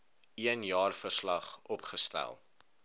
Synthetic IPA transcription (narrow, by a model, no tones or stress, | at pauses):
iənjɑːrfərslɐχɔpχəstæ̰lˠ